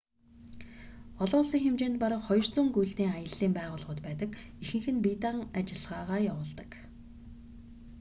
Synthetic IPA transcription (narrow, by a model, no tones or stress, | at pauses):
ɔɮʊ̆ːɮsiːŋxemt͡ɕeːnt̪̚paɾə̆χɔj̆r̥t͡suːŋɡujɮt̪iːŋajə̆ɮːiːmpæːʁʊːɮʁʊ̆ːt̪pæːt̪ə̆kixɘ̆ŋxɘ̆npit̪aŋat͡ɕɪ̆ɮʁaːʁaːjawʊːɮt̪ə̥̆k